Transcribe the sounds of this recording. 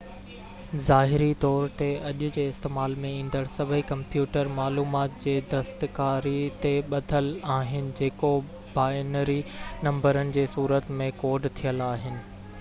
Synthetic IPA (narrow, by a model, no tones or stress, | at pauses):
zaːɦɪɾit̪ɔːɾt̪eɐʄʊd͡ʑeːɪst̪eːmaːlmẽĩːn̆d̪əɽsɐbʱəikɐ̃mpjuːʈəɾmaːluːmaːt̪̚d͡ʑeːd̪ɐst̪kaːɾit̪eɓɐd̪ʱəlaːɦɪnɪ̆d͡ʑeːko | baːjnəɾinɐ̃mbəɾənɪ̆d͡ʑeːsuːɾət̪mẽkoːɖt̪ʰijəlaːɦɪnɪ̆